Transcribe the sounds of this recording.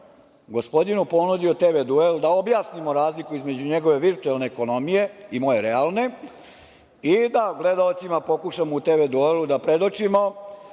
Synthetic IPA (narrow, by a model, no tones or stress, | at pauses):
ɡo̞spo̞d̪inupo̞nud̪iot̪eʋed̪ueld̪ao̞bjaːsnimoɾaːzlikuizme̞d͡ʑuɲe̞ɡo̞ʋe̞ʋiɾt̪uelˠne̞ːko̞no̞mije̞imo̞jeɾealˠne̞ | id̪aɡle̞d̪aot̪simapo̞kuʃamout̪eʋed̪uelud̪apɾe̞d̪o̞t͡ʃimo